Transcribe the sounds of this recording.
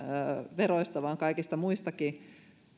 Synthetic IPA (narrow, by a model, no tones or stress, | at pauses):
ʋeroist̪ɑʋɑːŋkɑikist̪ɑmuist̪ɑki